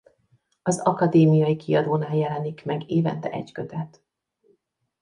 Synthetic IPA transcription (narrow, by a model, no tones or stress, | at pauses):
ɒzɒkɒd̪eːmijɒjikʰiɒd̪oːnaːjɛlɛnikmɛɡeːvɛ̰nt̪ɛʔɛ̰ɟkøt̪ɛt̪